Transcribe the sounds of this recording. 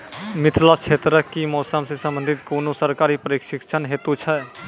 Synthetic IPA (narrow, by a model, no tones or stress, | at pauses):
mit̪ʰlast͡ʃʰet̪ɾəkːimɔːsəmsesə̃mbə̃nd̪ʱit̪koːnosəɾkaɾipɾikʃikt͡ʃʰənɦet̪ut͡ʃʰɛ